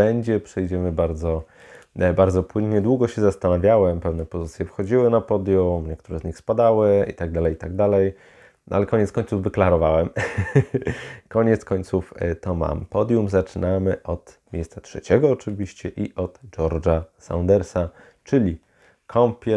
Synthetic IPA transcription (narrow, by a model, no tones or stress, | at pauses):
ɛɲd͡ʑɛpʂɛjd͡ʑɛmɘbaɾd̪zɔ | baɾd̪zɔpwɘnɲɛd̪wuɡɔɕɛzast̪anavʲjawɛmpɛvnɛpɔzɘt̪sʲjɛfxɔd͡ʑiwɘnapɔd̪ʲjumɲɛkt̪uɾɛzɲixspad̪awɘḭt̪aɡ̚d̪alɛjt̪aɡ̚d̪alɛj | n̰a̰lɛkɔɲɛt̪skɔɲt̪uvːɘklaɾɔvawɛm | kɔɲɛt̪skɔɲt̪suft̪ɔma̰mpɔd̪ʲjumzat͡ʂɘnamɘʔɔt̪mʲjejst̪satʂɛ̰t͡ɕɛɡɔːt͡ʂɘvʲiɕt͡ɕɛʔiʔɔd̪̥d͡ʐɔɾd͡ʐasa̰nd̪ɛɾsa | t͡ʂɘlʲi | kʰɔmpʲjɛ